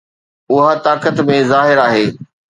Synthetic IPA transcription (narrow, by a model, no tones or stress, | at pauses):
ʊɦət̪aːkət̪mẽzaːɦɪɾaːɦeː